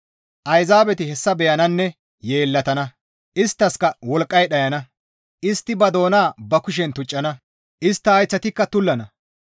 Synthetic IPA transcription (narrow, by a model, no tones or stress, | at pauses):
ʔɐjzaːbɛt̪ɪhɛsːɐbɛjɐnɐnːɛ | je̞ːlːɐt̪ɐnɐ | ʔɪst̪ːɐskɐwɔlkʼːɐjɗɐjɐnɐ | ʔɪst̪ːɪbɐd̪o̞ːnaːbɐkʊʃ̬ɛnt̪ʊt͡ʃʼːɐnɐ | ʔɪst̪ːɐːjt͡sːɐt̪ɪkːɐt̪ʊlːɐnɐ